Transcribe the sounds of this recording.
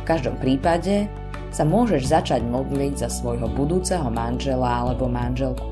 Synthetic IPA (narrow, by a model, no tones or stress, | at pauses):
fkaʒd̪ɔ̰mpɾiːpaɟɛ | samʊɔʒɛʒzat͡ʃaɟmɔd̪liɟzasʋɔjɦɔbud̪uːt͡sɛɦɔmanʒɛlaalɛbɔmanʒɛlku̥